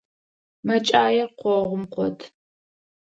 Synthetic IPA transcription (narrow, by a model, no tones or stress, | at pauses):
mɐt͡ʃʼaːjɛqʷɔʁʷʊmqʷɔdʰ